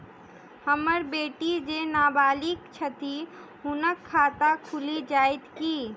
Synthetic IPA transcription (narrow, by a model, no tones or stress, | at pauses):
həməɾbeːʈid͡ʒenaːbaːlikt͡ʃʰət̪iɦʊnəkʰːaːt̪akʰʊlid͡ʒaːɪt̪kiː